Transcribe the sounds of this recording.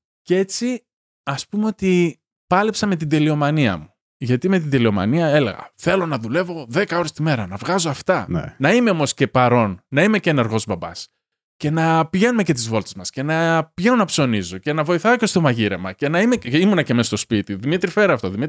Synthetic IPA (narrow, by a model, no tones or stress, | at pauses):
cee̞t͡si | ɐspumeo̞t̪i | pɐlepsɐme̞t̪id̪elio̞mɐniɐ̰mu | ʝɐt̪ime̞t̪̬ind̪elio̞mɐ̰niɐe̞le̞̰ɣɐ̰θe̞lo̞nɐðule̞vo̞ðe̞kɐo̞ɾest̪ime̞ɾɐnɐvɣɐzoɐft̪ɐnnɐimeo̞mo̞sce̞pɐɾo̞nːɐime̞ceneɾɣo̞zbɐbɐ̰s | ce̞nɐpiʝe̞nume̞ce̞t̪̬izvo̞lt̪ezmɐsce̞nɐpʝenunɐpso̞nizoce̞nɐvo̞iθɐoce̞st̪o̞mɐʝiɾemɐce̞nɐime̞imunɐcemest̪o̞spit̪iðimit̪ɾifeɾeɐft̪o̞ðimit̪ɾ